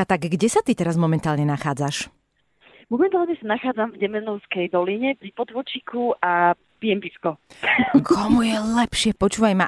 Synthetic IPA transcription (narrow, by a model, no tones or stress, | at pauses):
at̪aɡːɟɛsat̪it̪ɛɾazmɔmɛnt̪aːlɲɛnaxaːd͡zaʃ | mɔmɛnt̪aːlɲɛsanaxaːd͡zamvɟɛmɛnɔʊskɛjd̪ɔliɲɛvlipɔd̪ʋɔt͡ʃikuʔa | pijɛmpiskɔkʰɔmujɛlɛpʃɪɛpɔt͡ʃuːʋajma